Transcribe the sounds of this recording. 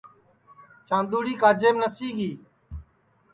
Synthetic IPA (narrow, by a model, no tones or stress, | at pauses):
t͡ʃãːnd̪uːɽiːkaːd͡ʒeːmnəsiːɡiː